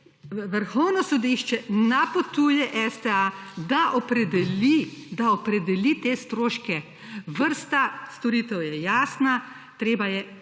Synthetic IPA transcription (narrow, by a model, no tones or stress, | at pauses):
ʋəɾxɔwnɔsɔd̪iʃt͡ʃɛnapot̪uːjɛʔɛst̪ɛad̪aʔɔpɾɛd̪ɛlid̪aɔpɾɛd̪ɛlit̪eːst̪ɾoːʃkɛ | ʋəɾst̪ast̪ɔɾiːt̪ɛwjɛjaːsna | t̪ɾeːbajɛ